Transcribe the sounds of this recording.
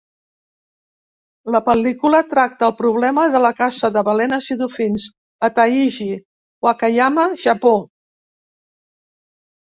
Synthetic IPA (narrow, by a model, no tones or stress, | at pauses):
ləpəlikulət̪ɾak̚t̪əːlˠpɾuβ̞lɛməðələkazəðəβəlɛnəsiðufinz | ət̪aiʒi | wakajaməʒəpo